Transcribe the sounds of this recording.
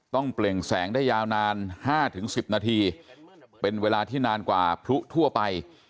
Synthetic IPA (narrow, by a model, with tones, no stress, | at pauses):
t̪ɔ˥˩ŋple˨˩ŋsɛː˩˦ŋdaː˥˩jːaː˧wnaː˧nhaː˥˩t̪ʰɯ˩˦ŋsi˨˩p̚naː˧t̪ʰiː˧ | pe˧nweː˧laː˧t̪ʰiː˥˩naː˧nkwa̰ː˨˩pʰɾu˦˥t̪ʰu˥˩ɐpa˧j